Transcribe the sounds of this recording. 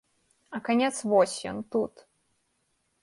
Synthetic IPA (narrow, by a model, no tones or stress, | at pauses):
ɐkanʲɛt̪svɔsʲjɔ̰nt̪ut̪